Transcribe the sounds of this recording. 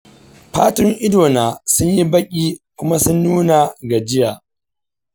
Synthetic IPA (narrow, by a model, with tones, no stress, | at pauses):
ɸa̰ː˦tʊ˦ŋʔɪ˦doː˨naː˨sʊ˦ɲji˦bɐ˦kʲʼiː˦kʷʊ˦ma˦sʊ˦nːuː˦na˨ɡa˨d͡ʒɪ˦jaː˨